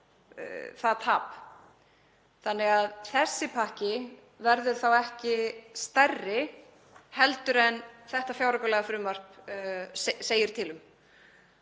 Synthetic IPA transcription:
θaðt̪ʰaːp | θanːɛɣaðθɛsːɪpʰahcɪ | vɛɾðʏɾ̥θawɛhcɪst̪ɛrːɪ | hɛlt̪ʏɾɛnθɛht̪afjaːwɾakœlɛɣafɾʏːmar̥p | seːjɪɾ̥t̪ʰɪlʏm

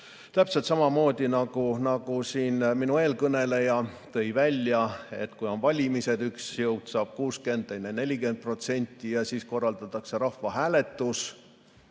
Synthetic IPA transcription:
t̪æpselt̪sɑmɑmo̞ːd̪̥ʲinɑɡ̥unɑɡ̥usiːnminue̞ːlkɤne̞le̞jɑt̪ɤ̞jvælʲjɑe̞̰t̪ːkujo̞nvɑlʲimise̞d̪yksjɤwd̪̥sɑːb̥̚kuːske̞nd̪enːene̞lʲike̞nt̪̚pro̞t̪se̞nʲt̪ʲːˑijɑsiːsko̞rːɑld̪ɑt̪ːˑɑkse̞ɾɑhvɑɦæːle̞t̪ːˑus

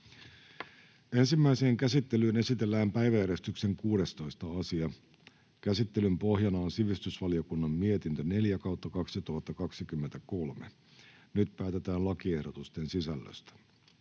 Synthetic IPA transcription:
e̞nsimːæiseːŋkæsit̪ːe̞lyːne̞sit̪e̞lːæːmpæjʋæjæɾest̪ykse̞ŋkuːɾe̞st̪o̞jst̪ɑɑsiɑ | kæsit̪ːelympo̞ɦjɑnɑonsiʋist̪ysʋɑliokunːɑmmiet̪int̪øne̞ljækɑwt̪ːɑkɑksit̪uhɑt̪ːɑkɑksikymːent̪æko̞lmḛ | nyt̪pæːt̪e̞t̪æːnlɑkie̞hdot̪ust̪e̞nsisælːø̰st̪æ̥

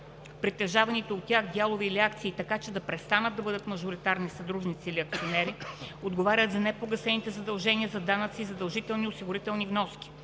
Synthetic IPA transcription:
pɾit̪ːɛʒavɐnit̪ɛot̪ːʲjaxd̪jalˠovɛːliakt̪siːt̪ɐkat͡ʃɛd̪ɐpɾɛst̪anət̪d̪ɐbɤd̪ət̪mɐʒʊɾit̪aɾnisɐd̪ɾuʒnit̪siːliɐk̚t̪sionɛɾiod̪ɡovaɾʲət̪zɐnɛpoɡɐsɛnit̪ɛzɐd̪ɐlˠʒɛniəzɐd̪anət̪siːzɐd̪ɐlˠʒit̪ɛlˠniʊsiɡʊɾit̪ɛlˠnivnɔskʲi̥

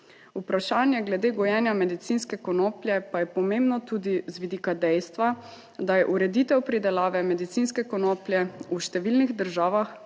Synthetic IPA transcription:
upɾaʃaːnjɛɡlɛd̪eːɡɔjɛːnjamɛd̪it̪sinskɛkɔnoːpljɛpajɛpɔmembnɔt̪uːd̪izʋid̪iːkad̪ɛjst̪ʋa | d̪ajɛʔuɾɛd̪it̪ɛwpɾid̪ɛlaːʋɛmɛd̪it̪sinskɛkɔnoːpljɛuʃt̪ɛʋilniɣd̪əɾʒaːʋax

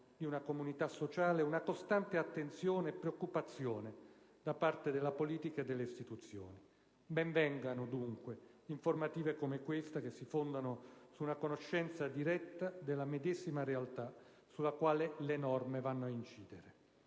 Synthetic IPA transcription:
d̪iunakomunit̪asːot͡ʃaːleunakost̪ant̪eat̪ːent̪sjoːneːpːɾeokːupat̪sːjoːne | d̪apart̪ed̪elːapoliːt̪ikaed̪elːeist̪it̪ut̪sːjo̰ːni | bɛɱvɛŋɡanod̪uŋkwe | iɱformat̪iːvekomekwest̪akesːifond̪anosuːnakonoʃːɛnt̪sad̪iɾɛt̪ːad̪elːamed̪ezimaɾealt̪a | sulakwaːlelenɔrmevanːoaint͡ʃiːd̪eɾe

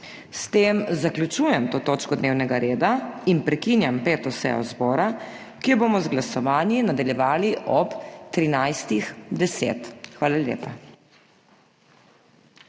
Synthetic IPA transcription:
st̪eːmzakljut͡ʃuːjɛmt̪oːt̪oːt͡ʃkɔd̪neːwnɛɡaɾeːd̪ainpɾɛkinjampeːt̪ɔsɛ̰jɔ̰zbɔːɾa | kiboːmɔzɡlasɔʋaːnjinad̪aljɛʋaːliʔɔpt̪ɾinajst̪ixd̪ɛsḛːt̪xʋaːlaljḛːpa

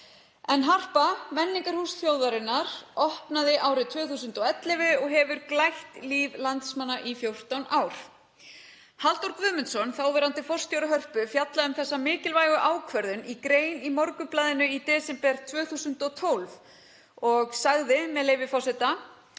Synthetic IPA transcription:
ɛnɦar̥pamɛnːiŋkaɾ̥husfjowðaɾɪnːaɾ̥ɔhpnaðɪʔaːwɾɪt̪ʰvœːθusʏnt̪ɔɣɛt̪lɪvɪɔɣɦɛvʏɾklajht̪liːvlant̪smanːaʔifjowr̥t̪awnaːwɾ̥ | halt̪uɾkvʏːmʏnsɔnθawvɛɾant̪ɪfɔrst̪jowɾɪɦœr̥pʏfjat̪laðʏmθɛsːamɪːcɪlvaːjɣʏʔaːwkʰvœɾðʏnikɾeːjnimɔɾkʏplaːðɪnʏit̪ɛːsɛmpɛɾ̥t̪ʰvœːɣθuːsʏnt̪ɔt̪ʰowlv | ɔɣsaɣðɪmɛðleːjvɪfɔsɛt̪a

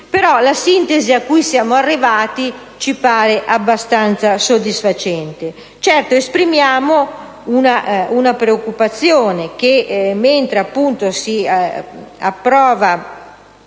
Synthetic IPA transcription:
peɾɔlasint̪eziakːuisjaːmoarːivaːt̪i | t͡ʃipaːɾeʔabːast̪ant̪sasod̪isfat͡ʃɛnt̪e | t͡ʃɛrt̪oespɾimjaːmo | unaunapɾeokːupat̪sːjoːnek̟emːent̪ɾeapːunt̪osi | a̰pːɾɔːva

